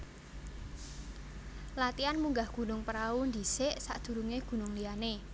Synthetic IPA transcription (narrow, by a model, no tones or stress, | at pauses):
lat̪ianmuŋɡahɡ̥ṳnʊŋpəɾaund̪i̤sɪʔsaʔd̪̥ṳɾuŋeɡ̥ṳnʊŋliane